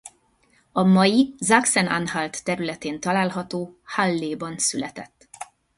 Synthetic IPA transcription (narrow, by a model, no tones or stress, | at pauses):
ɒmɒjizaksɛna̰nɦalt̪ːɛɾylɛt̪eːnt̪ɒlaːlɦɒt̪oːhalːeːbɒnsylɛt̪ɛt̪ː